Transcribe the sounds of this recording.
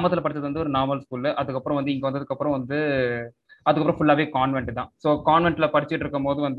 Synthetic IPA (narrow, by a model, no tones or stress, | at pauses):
mɐt̪ːɪlɐpɐɽɪt͡ʃːɐðɯʋɐnd̪ɯɔɾɯnaːɾmɐlskuːlʔɐðɯkːɐpːɯɾɐ̃ʋɐnd̪ɯɪŋɡɐʋɐnd̪ɐðɯkːɐpːɯɾɔ̃ʋɐnd̪ɯ | ɐðɯkːɐpːɯɾɔ̃fʊɭːaːʋeːkaːɳʋɛɳʈt̪ãːsoːkaːɳʋɛɳʈɪlɐpɐɽɪt͡ʃːɪʈːɪɾɯkːɯmpoːðɯʋɐnd̪